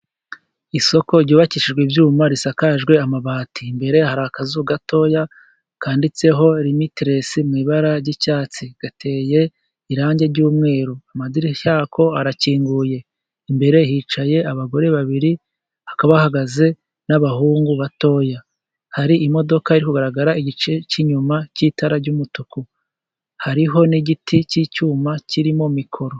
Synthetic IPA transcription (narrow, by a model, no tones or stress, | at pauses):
iso̞ko̞ɾɟuːβaciʃiʒɡwivjuːmaɾisakaʒɡwe̞amaβaːtiːmbe̞ɾe̞haɾaːkazuɡato̞ːja | kaːndit͡se̞ɦo̞ɾimitiɾesimŋiːβaɾaɾɟicaːt͡siɡ̥atʰe̞ːje̞ | iɾaːɲɟe̞ɾɟuːmŋe̞ːɾoamadiɾiçaːkʰo̞aɾaciːŋɡuje̞ | imbe̞ɾe̞hit͡ʃaje̞aβaɡo̞ɾe̞βaβiɾi | hakaβahaɡaze̞ | naβahuːŋɡuβato̞ja | haɾiimo̞do̞kaiɾikuɡaɾaɡaɾaiɟit͡ʃe̞ciɲumaciːtaɾaɾɟumutuku | haɾiɦo̞niɟitʰicicuːmacʰiɾimo̞mikʰo̞ɾo̞